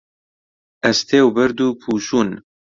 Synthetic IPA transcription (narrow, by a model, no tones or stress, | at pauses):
ɐst̪ʰeːwbɛɾd̪uːpʰuːʃuːn